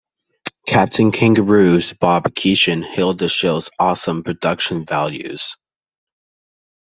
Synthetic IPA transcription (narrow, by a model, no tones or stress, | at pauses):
kʰæp̚tʰɨ̃nkʰɪ̃ŋɡəɹʉzb̥ɑb̥kʰiʃɨ̃nhɪlˠdɨʃɪlˠz̥ɔsə̃mpʰɹ̥ɨdʌkʃɨ̃nvælˠjʉ̰z̥